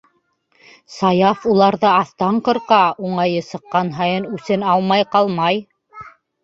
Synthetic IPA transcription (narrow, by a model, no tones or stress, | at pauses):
sɑjɑfulˠɑɾðɤɑθt̪ɑɴqɤ̆ɾqɑuɴɑjɤsɤ̆qːɑnɦɑjɤnʉθɘnɑlˠmɑjqɑlˠmɑj